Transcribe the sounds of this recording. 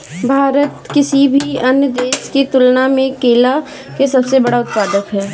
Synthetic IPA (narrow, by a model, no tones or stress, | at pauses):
bʱaːɾət̪kɪsibʱiɐnjəd̪eːsket̪ʊlnamẽkeːla | kesɐbsebɐɽaʊt̪̚paːd̪əkɦɛː